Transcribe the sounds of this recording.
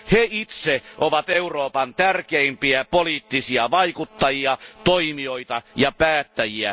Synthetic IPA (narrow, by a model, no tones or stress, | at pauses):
heit̪seʔoʋɑt̪euroːpɑnt̪ærkeimpiæpoliːt̪ːisiɑʋɑikut̪ːɑjiɑt̪oimioit̪ɑjɑpæːt̪ːæjiæ̰